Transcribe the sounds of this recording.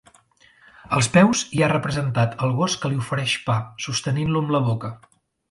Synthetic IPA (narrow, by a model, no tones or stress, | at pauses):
əlˠspɛwziarəpɾəzənt̪at̪əlˠɣoskəliufəɾɛʃpasust̪əninluəmləβokə